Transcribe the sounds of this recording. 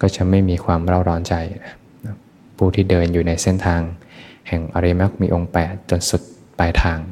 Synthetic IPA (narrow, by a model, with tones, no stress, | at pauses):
kɔː˥˩t͡ɕa˨˩ma˥˩jmiː˧kʰwaː˧mɾa˥˩wɾɔː˦˥nt͡ɕa˧j | n˧˥ | pʰuː˥˩t̪ʰiː˥˩dɤː˧njuː˨˩na˧jse˥˩nt̪ʰaː˧ŋhɛ˨˩ŋʔa˧ɾi˧ma˦˥˩k̚miː˧ʔo˧ŋpɛː˨˩t̪̚t͡ɕu˧ənsu˨˩t̪̚ | pa˧jt̪ʰaː˧ŋ